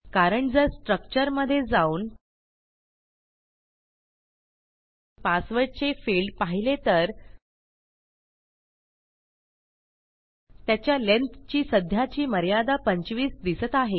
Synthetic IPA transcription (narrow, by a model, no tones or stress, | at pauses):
kaɾəɳd͡zəɾsʈɾək̚t͡ɕəɾməd̪ʱːjed͡zauːn | pasʋəɾɽt͡sefiɭɖpaɦilet̪əɾ | t̪jat͡ɕjalent̪t͡ɕiːsəd̪ʱjat͡ɕiːməɾjad̪apəɲt͡ɕʋiːsd̪isət̪aɦe